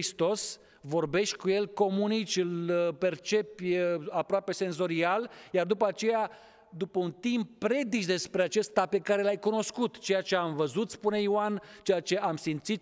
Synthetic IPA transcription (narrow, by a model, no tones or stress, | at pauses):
ist̪o̞s | vo̞rbe̞ʃt̪̚ʲkuje̞lko̞munit͡ʃɨlpe̞rt͡ʃe̞pəapɾoape̞se̞nzo̞ɾialjard̪upəat͡ʃe̞ja | d̪upəunt̪impːɾe̞d̪it͡ʃd̪e̞spɾe̞at͡ʃe̞st̪ape̞kaɾe̞lajkuno̞skut̪t͡ʃe̞jat͡ʃe̞amvəzut̪spune̞iwant͡ʃe̞jat͡ʃe̞ʔamsimt̪sit̪̚